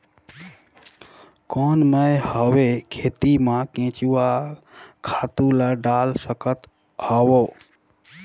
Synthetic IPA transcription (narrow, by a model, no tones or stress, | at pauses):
koːnməjhəʋekʰeːt̪imãkẽːt͡ʃuwa | kʰat̪ũlaɖaːlsəkət̪ | hɔwo